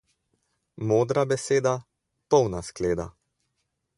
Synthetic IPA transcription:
moːd̪ɾabɛseːd̪a | pɔwnaskleːd̪a̰

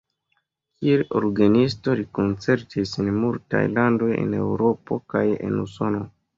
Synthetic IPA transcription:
kielo̰ɾɡanisto̞ɾiko̞nt͡se̞ɾtisenmulta̰jlando̞je̞̰ne̞̰wɾo̞po̞̰kaje̞̰nuso̞no̞

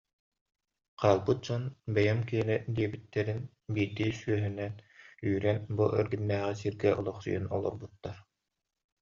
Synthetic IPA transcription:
qʰaːlˠbɯt̪̚d͡ʑɔnbɛjɛmkiɛnɛd̪iɛbit̪ːɛɾin | biːd̪iːsyœɦynɛnyːɾɛnbuʔœɾɡynːæːʁisiɾɡɛʔɔlˠɔχsṵjɯnɔlˠɔ̰ɾbut̪ːaɾ

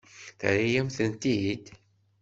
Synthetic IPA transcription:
θɾijæmθənt̪id̪

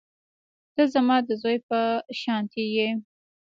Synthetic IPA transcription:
d̪̥əzamɑd̪əzojpəʃɑnt̪ije

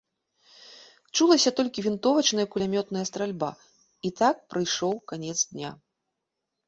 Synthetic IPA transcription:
t͡ʂulˠɐsʲɐt̪ɔlʲkʲivʲint̪ɔvɐt͡ʂnɐjɐkulʲamʲɔt̪nɐjɐst̪ɾalʲba̰ | it̪ak̚pɾɨjʂɔwkanʲɛt̪zd̪ʲnʲa̰

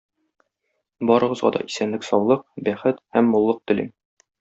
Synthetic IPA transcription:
bɒɾɤ̆ʁɤ̆zʁɑ̰d̪ɒ̰ʔi̥sænlɘksɒwlˠɤq̚bæχɘt̪hæmːŭlˠːɤq̚t̪ɵ̆lim

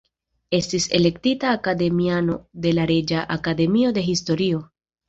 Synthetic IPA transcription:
e̞stise̞̰le̞ktitaːkade̞miano̞de̞laɾed͡ʒaʔakade̞mio̞de̞ɦisto̞ɾio̞

